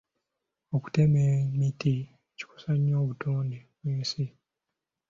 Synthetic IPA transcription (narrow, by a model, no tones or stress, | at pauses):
o̞ku̥te̞memiti | eci̥ko̥saɲːo̞ːβutʰoːndeβweːnsi